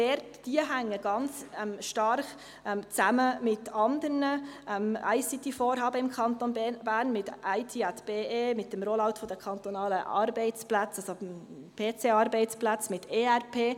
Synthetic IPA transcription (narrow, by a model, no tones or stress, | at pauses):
vɛɾtd̥iəɦæŋːəɡ̥ɑnt͡sɛmʃtɑɾχ | ɛmt͡sæməmɪtɑnd̪əɾnəʔɛmæ̰ɪsɪt̪ifoːɾɦɑːbəɪmkʰɑnt̪onbɛb̥æːɾnmɪtʔæɪt̪ʰiæt̪b̥eːeːmɪt̚d̥ɛmɾolɑwtfɔd̥əkʰɑnt̪onɑːləʔɑ̰ːɾbɛɪt͡splæt͡sɑso | pʰeːt͡seɑɾbɛɪt͡splat͡smɪtʰeːæɾpʰeː